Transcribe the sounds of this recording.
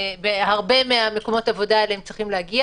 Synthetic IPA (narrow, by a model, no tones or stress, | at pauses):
behaʁbe̞meame̞ko̞mo̞tavo̞daeleemt͡sʁiχimlehaɡia